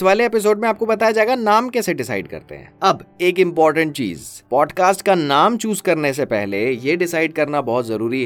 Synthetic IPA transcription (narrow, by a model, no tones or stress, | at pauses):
ɪsʋaːleepɪs̬oːɖmẽaːp̚kobɐt̪aed͡ʒaːɡanaːmkeseɖɪsa̰ːɪɖkɐ̰ɾt̪ḛɦɛ̰̃ːɐbeːkɪ̃mpɔːɾʈə̃ɳʈ̚t͡ʃḭːzpɔːɖkaːsʈkanaːmt͡ʃuːzkɐɾnes̬epɛɦlejeɖɪsaːɪɖ̚kɐɾnabɔːt̪zɐɾuːɾiɦɛ